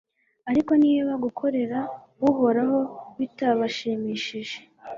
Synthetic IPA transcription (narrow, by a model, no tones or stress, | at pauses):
aɾiko̞niːβaɡukʰo̞ɾe̞ɾa | βuɦo̞ɾaho̞βitaβaʃimiːʃiʒe̞̥